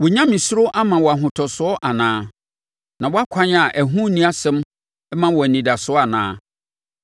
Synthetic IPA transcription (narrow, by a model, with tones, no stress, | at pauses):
wɔ˨ɲã˦mĩ˨sʊ˦ɾʊ˦ʔa˦mã˨wɔ˨a˨ɦʊ̃˨tʰɔ˨sʊ˨˦ɔ˦ʔa˨nãː˦ | nã˨wɔ˦a˦kʰã˦na˨ʔæ˨ɦũ˦nĩ˦a˦sɛ̃˦m˦ | mã˦wɔ˨nĩ˨da˨sʊ˨˦ɔ˦a˨nã̰ː˦